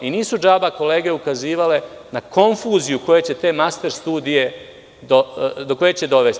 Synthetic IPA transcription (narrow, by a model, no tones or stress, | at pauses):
iniːsud͡ʒaːbako̞le̞ːɡe̞ukaziːʋale̞ | nako̞ɱfuːzijuko̞jet͡ɕe̞t̪e̞ːmast̪e̞ɾst̪uːd̪ije̞ | d̪od̪o̞ko̞je̞t͡ɕe̞d̪o̞ʋe̞st̪